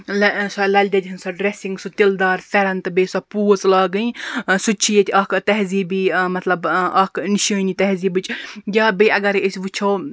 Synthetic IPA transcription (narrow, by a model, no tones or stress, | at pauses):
lɐsɐlɐlʲd̪ʲɐd̪ʲɦɨnsɐɖɾesiŋɡsut̪ʲild̪aːɾfʲɛɾɐnt̪ɨbesɐpuːt͡slaːɡɨĩsut͡ʃʰijet̪ʰʲɐkt̪ɐɦziːbiːmɐt̪lɐbʔɐkniʃəːnʲit̪ɐɦziːbɨt͡ʃjʲaːbeɐɡɐɾeəsʲʋɨt͡ʃʰow